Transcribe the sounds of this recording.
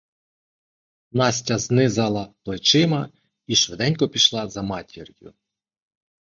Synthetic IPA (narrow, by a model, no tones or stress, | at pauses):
nɑsʲtʲɐznɪzɑlˠɐplˠet͡ʃɪmɐ | iʃʋed̪ɛnʲkɔpʲiʃlˠɑzɐmɑtʲirjʊ̰